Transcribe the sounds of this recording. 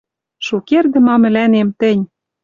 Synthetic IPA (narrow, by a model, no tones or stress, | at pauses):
ʃukerd̪ɘ̆mɑmɘ̆lænemt̪ɘ̆nʲ